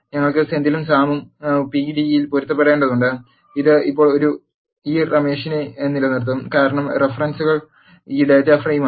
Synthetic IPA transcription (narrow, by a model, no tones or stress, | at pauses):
ɲɐŋːɐɭkɨsend̪ilumsaːmumpiɖijilpoɾut̪ːɐpːeɽeːɳɖɐðuɳɖɨ | iðɨipːo̞ːɭo̞ɾu | iːrɐme̞ːʂinenːilɐnirt̪̬ːumkaːɾɐɳɐmrefɐrɐnsuɣɐɭ | iːɖetːaːfrɐjuma